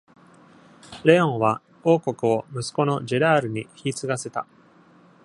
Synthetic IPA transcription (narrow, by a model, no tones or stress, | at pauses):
ɾe̞õ̞ɰ̃βa | o̞ːko̞kɯ̟o̞mɯ̟sɨ̥ko̞no̞ʑeɾaːɾɯ̟ɲ̟içiːt͡sɨɡase̞t̪a